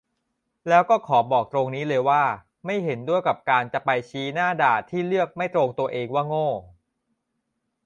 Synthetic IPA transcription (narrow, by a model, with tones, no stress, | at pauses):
lɛː˦˥wkɔː˥˩kʰɔː˩˦bɔː˨˩k̚t̪ɾo˧ŋniː˦˥lɤː˧jwaː˥˩ | ma˥˩jɦe˩˦ndu˥˩əjka˨˩p̚kaː˧nt͡ɕa˨˩pa˧jt͡ɕʰiː˦˥naː˥˩daː˨˩t̪ʰːiː˥˩lɯ˥˩ək̚ma˥˩jt̪ɾoː˧ŋt̪u˧ɐʔeː˧ŋwaː˥˩ŋoː˥˩